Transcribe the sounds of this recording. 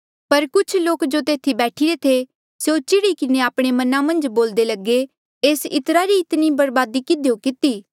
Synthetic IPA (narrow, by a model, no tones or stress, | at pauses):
pɐɾkʊt͡ʃʰloːkd͡ʒot̪eːt̪ʰibɛːʈʰiɾet̪ʰe | seot͡ʃɪɽikɪneaːpɽ̃emɐnãmɐ̃nd͡ʒboːld̪elɐɡe | eːsɪ̰t̪ɾaɾiɪt̪nibɐɾbaːd̪ikɪd̪jokɪt̪iː